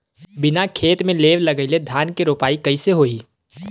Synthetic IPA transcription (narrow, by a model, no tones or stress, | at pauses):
bɪnakʰeːt̪mẽleːʋlɐɡəɪled̪ʱjaːnkeɾoːpaːikɐiseɦoːiː